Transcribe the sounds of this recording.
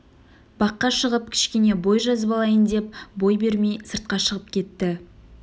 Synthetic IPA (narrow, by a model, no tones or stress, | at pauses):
bɑqːɑʃəʁəp̚kʲʰɪ̥ʃkʲe̞ne̞bo̞jʒɑzəbɑlˠɑjənd̪e̞p̚bo̞jbe̞ɾmejsəɾt̪̚qɑʃəʁəp̚kʲʰe̞t̪ːɪ